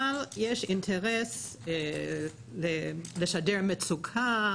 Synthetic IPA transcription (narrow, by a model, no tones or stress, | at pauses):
aljeʃintʰeʁes | leleʃadeʁmet͡sukʰa